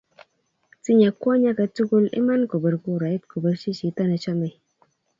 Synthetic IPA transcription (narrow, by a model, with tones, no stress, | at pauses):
ti˦ɲa˨kwɔ˦ɲa˦ka˧tu˦ku˦lḭ˦ma˦nko˨bə˨ɾku˦˧˨ɾa˨˦i˦tko˨bə˨ɾt͡ʃi˦t͡ʃi˨˦ta˦nə˧t͡ʃa˦ma˨j